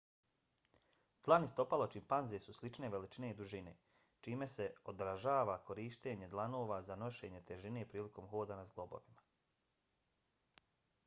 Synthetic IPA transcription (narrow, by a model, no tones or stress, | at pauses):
d̪̥lˠanist̪o̞palot͡ʃimpanzesuslit͡ʃneʋe̞lit͡ʃine̞id̪uʒine̞̰ː | t͡ʃiːme̞se̞od̪ɾaʒaːʋako̞ɾiːʃt̪e̞ːɲe̞d̪lˠanoːʋazano̞ʃe̞ːɲe̞t̪eʒine̞ːpɾiːliko̞mxo̞ːd̪anazɡlˠo̞bo̞̰ʋima